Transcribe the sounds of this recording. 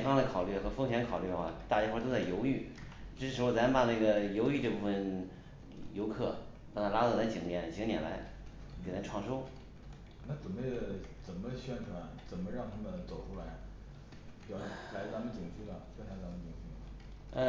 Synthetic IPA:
fɑ˥ŋd̪ə˨kʰɑ˨˩ʊly˥˩xɤ˧˥fɤ˥ŋɕjɛ˧˥nkʰɑ˨˩ʊly˥˩ə˧xwa̰˥˩t̪a˥˧˩i˥xwt̪o˥ʊt͡sa˥˩ɪjo˧˥ʊy˥˩ʈ͡ʂɻ̩˥ʂ̩ɻ̩˧˥˧t͡sa˧˥m˧pa˨˩na˥˩ɡə˩jo˧˥ʊy˥˧ʈ͡ʂɤ˥˧pu˥˩fə˨˩n | jo˧˥ʊkʰɤ˥˩ | pa˥˩t̪a˥˩la˥ɑ˥˩la˧˥t͡ɕi˨˩ŋnjɛ˧˥nt͡ɕʰŋnjɛ̰˨˩nla̰˧˥ɪ | ke˨˩na˧˥ʈ͡ʂʰwɑ˥˧ŋʂo˥ʊ | na˥˩t͡sə˨˩nmə˦t͡sə˨˩nmə˦ɕɥɛ˥˩nʈ͡ʂʰwa˨˧˥nt͡sə˨˩nmə˦ɻɑ˥˧ŋt̪ʰa˥mə˨nt͡so˨˩ʊʈ͡ʂʰu˥la˧˥ɪ | jɑ˨˧˩la˧˥ɪt͡sa˧˥mə˨nt͡ɕi˨˩ŋfu˥˩lə˩ɕɛ˥˩nʰa˧˥˩t͡sa˧˥mə˧˨nt͡ɕi˨˩ŋfi˥˩mə˧ | ə˧

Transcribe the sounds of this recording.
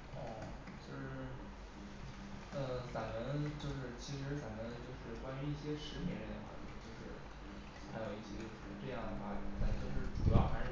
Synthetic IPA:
ə˥˩ | t͡ɕjo˥˧ʊʂɻ̩˥˩ | ə˥˧sa˨˩nmə˧˥nt͡ɕjo˥˧ʊʂ̬ɻ̩˥˩t͡ɕʰi˧˥ʂɻ̩˧˥sa˨˩mə˧˥˧t͡ɕjo˥˧ʊʂɻ̩˥˩kwa˥ny˧˥i˥˩ɕjɛ˥ʂɻ̩˧˥pjɛ˧˥nɻə˧˥nd̪ə̰˧˩wa̰˧˩t͡ɕo˥˧˩t͡ɕjo˥˧ʊʂɻ̩˥˩ | xa˧˥jo˨˩ʊi˥˩ɕɛ˧˥t͡ɕjo˥˧ʊʂɻ̩˥˧˥ʈ͡ʂɤ˥˧jɑ˥˩ŋd̪ə˩fa˥lɛ˧˩t̪a˥˧nt͡ɕjo˥˧ʊʂɻ̩˥˩ʈ͡ʂu˨˧˥jɑ˥˩xa˧˥ɪ˥˩

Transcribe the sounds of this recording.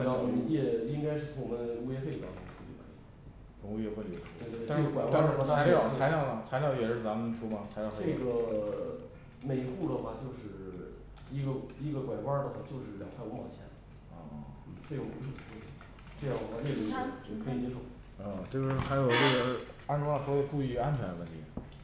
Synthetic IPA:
a˥˩˧əjɛ˨˩i˥ŋka˥ɪʂɻ̩˥˩t͡sʰʊ˧˥ŋwɔ˨˩mə˦nu˥jɛ˥fe˥˩ɪə˧t̪ɑ˥ŋtʰʊ˧˥ŋʈ͡ʂʰu˥ḭ˧˩ə˩kʰɤ̥̰˧˥ḭ˨˩ | ɻʊ˧˥ŋu˥˩˧xwe˥˩lʈ͡ʂʰu˥we˥˧ɪt̪we˥˧˥ʈ͡ʂɡə˧˩kwa˨˩ɪw̩˥˧˥w̪ʰa˥˧˥ljɑ˥˩˥t͡sʰa˧˥ljʊmɐ˨˩t͡sʰa˧˥ljɑ˧˩ʊjɛ˨˩ʂɻ̩˥˩t͡sa˧˥mə˧˥nʈ͡ʂʰu˥mɐ˨t͡sʰa˧˥ljɑ˧˩˥ʈ͡ʂe˥˩ɡə˩ | me˨˩ɪxu˥˩d̪ə˩xwa˥˩t͡ɕjo˥˧ʊʂɻ̩˥˩ | i˧˥ɡə˧i˧˥ɡə˧kwa˨˩ɪwa˥d̪ə˨xwa˥˩t͡ɕjo˥˧ʊʂ̬ɻ̩˥˩ljɑ˨˩ŋpʰa˥˩ɪu˧˥mɑ̰˨˩ʊt͡ɕʰjɛ̰˧˥n | ɐ˥˧˩fe˥˧jʊ˥˩ŋpu˧˥ʂɻ̩˥˩tu˨˩fo˥˩˥ | ʈ͡ʂɤ˥˧jɑ˥˩ŋd̪ə˩xwa˥˧lɛ˥˩lu˧˥ʈ͡ʂɤ˥˩kʰɤ˧˥i˨˩t͡ɕjɛ˥ʂo˥˩ʊ | ə˥˧ʈ͡ʂɤ˥˧ɡʂ̩˥˩xa˧˥ɪjo˨˩ʊwe˥˩ə˧˥a˥nʈ͡ʂʂwʈ͡ʂu˥˧i˥˧a˥nt͡ɕʰɥɛ˧˥nə˧wə˥˩nt̪ʰi˧˥

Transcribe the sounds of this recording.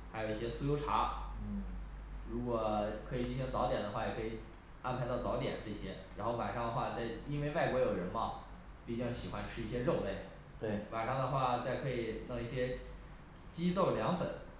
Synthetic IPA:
xa˧˥ɪjo˨˩ʊi˥˩ɕjɛ˥su˥˧jo˥ʊʈ͡ʂʰa̰˧˥˩ | ɻu˧˥kwɔ˨˩kʰɤ˧˥i˨˩t͡ɕʰi˥ɕi˧˥ŋt͡sɑ˧˥t̪jɛ˨˩nd̪ə˦xwa˥˩jɛ˨˩kʰɤ˧˥i˨˩ | a˥npʰa˧˥ɪt̪ɑ˥˩t͡sɑ˧˥jɛ̰˨˩˦nʈ͡ʂə˥˩˧ɕjɛ˥ɻa˧˥nxo˥˩ʊma̰˨˩ʂɑ˥˧ŋd̪ə˩˧xwa˥˧t͡sa˥˩ɪi˥nwe˥˧ɪwa˥˩ɪkwɔ˧˥jo˨˩ʊɻə˧˥nmɑ˥˩ʊ | pi˥˧˩t͡ɕi˥˩ɕi˨˩xwa˥nʈ͡ʂʰɻ̩˥i˥˩ɕjɛ˥ɻo˥˧ʊle˥˩ɪ | t̪we˥˩ɪma˨˩ʂɑ˥˩ŋd̪ə˧xwa˥˧t͡sa˥˩ɪkʰɤ˧˥i˨˩nɤ˥˧ŋi˥˩ɕjɛ˥ | t͡ɕi˥t̪o˥˩ʊljɑ˧˥ŋfə˨˩˦n

